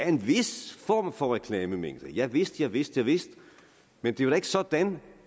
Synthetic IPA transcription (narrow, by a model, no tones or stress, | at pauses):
æɐe̝nʋe̝sfɒːmfɒ̽ʁɛkʰlɛːməmḛŋ̰d̥əjɑ̈ɪʋe̝sd̥jɑ̈ɪʋe̝sd̥jäɪʋe̝sd̥ | mend̥e̝ʋɑɾe̝ɡ̥ə̥sɒ̽d̥æn